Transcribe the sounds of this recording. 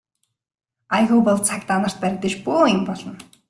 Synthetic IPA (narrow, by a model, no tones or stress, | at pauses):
ajɣupɔɮt͡sʰakt̪anə̆r̥t̪̚pæɾʲɪ̆k̚t̪ə̆t͡ɕpoːempɔɮɞ̆n